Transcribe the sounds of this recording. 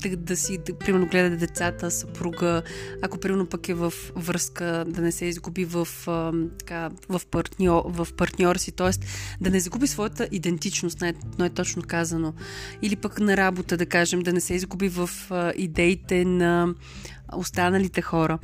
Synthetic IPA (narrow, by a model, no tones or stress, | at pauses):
t̪ɐd̪ɐsipɾimɛɾnoɡlɛd̪ət̪ɛd̪ɛt̪sat̪əsɐpɾuɡəakopɾimɛɾnopɐkɛvɐfvɾskəd̪ɐnɛsɛizɡubivəft̪ɐ̥kavɐfpɐɾt̪nʲɔvɐfpɐɾt̪nʲɔɾsit̪ɔɛst̪d̪ɐnɛzɐɡubisvɔjət̪əʔid̪ɛnt̪it͡ʃnost̪najnaɛt̪ɔt͡ʃnokazənoilipəknɐɾabot̪əd̪ɐkaʒɛmd̪ɐnɛsɛizɡubivəfʔid̪ɛit̪ɛnɐ | ost̪anəlit̪ɛxɔɾə